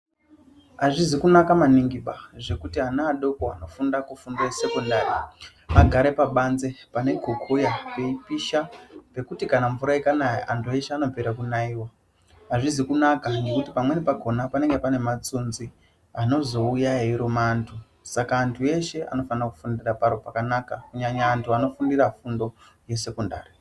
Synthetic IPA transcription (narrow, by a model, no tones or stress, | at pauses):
aʐizikunakamaniŋɡiɓaʐe̞kutianaːɗo̞koa̰no̞fundakufundese̞kondari | aɡʱaɾe̞paɓanze̞pane̞ɡʱokʰojape̞ipiʃape̞kutikanaɱvuɾaekanaeʔantʰue̞ʃe̞ano̞peɾakunaiːwa | ɦaʐizikunakane̞kutipamwe̞nepaɡʱo̞napane̞ŋɡepane̞mat͡sunzi | ano̞zo̞ujaɦeiɾomaːntʰu | sakaːntʰue̞ʃe̞a̰no̞fanrakufundirapaɾopakanakakuɲaɲaːntʰuano̞fundirafundo̞ | je̞se̞konda̰ːri